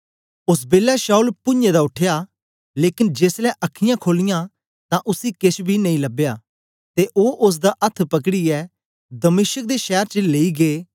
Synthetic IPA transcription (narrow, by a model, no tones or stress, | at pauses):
ʊsbeːlɛʃaːuːlpʊɲed̪aʊʈʰejaː | leːkɪnd͡ʒeːslɛʔɐkʰɪjãːkʰoːlɪjãː | t̪ãʔʊsikɪsʰbʱinɐ̃ĩləbejaː | t̪eʔoːʔʊs̬d̪aːʔɐt̪ʰːpɐk̬ɽiɛː | d̪ɐmɪʃək̚d̪eːʃɛːɾt͡ʃəleiːɡeː